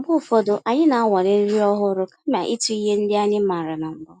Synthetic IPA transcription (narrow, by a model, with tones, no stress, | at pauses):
bʊ˦˨fɔ˦dʊ˨ʔa˨ɲɪ˦na˨a˦wʷa˨ɾɪ˦n̩˦ɾi˦ɔ˦ɦʊ˦ɾʊ˦kḁ˦m˦˨a˨ʔi˦tu˦i˦ɦe˦n̩˦dɪ˦a˦ɲɪ˦ma˨ɾa˨na˨m̩˦bɔ˦